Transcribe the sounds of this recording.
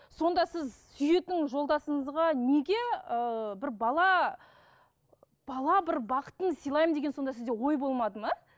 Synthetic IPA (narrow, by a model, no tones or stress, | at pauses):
so̞nd̪ɑsɪzsʏje̞t̪ːɪŋʒo̞lˠd̪ɑsəɴəzʁɑneɡʲe̞əbɪɾbɑlˠɑ | b̥ɑlˠɑbɪɾbɑqə̥t̪ənsijlˠɑjməmd̪e̞ɡʲeo̞nd̪ɑsɪzd̪ewo̞jbo̞lˠmɑd̪əmɑ